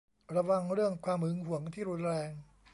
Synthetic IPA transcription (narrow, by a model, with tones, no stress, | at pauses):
ɾa˧wa˧ŋɾɯ˥˩əŋkʰwaː˧mɯ˧ŋɦu˩˦əŋt̪ʰiː˥˩ɾu˧˥nɾɛː˧ŋ